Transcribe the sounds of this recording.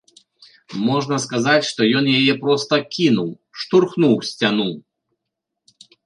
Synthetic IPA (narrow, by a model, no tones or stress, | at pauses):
mɔʐnɐskazat͡sʲʂt̪ɔjɔnjajɛpɾɔst̪ɐkʲinuw | ʂt̪urxnuwsʲt͡sʲanu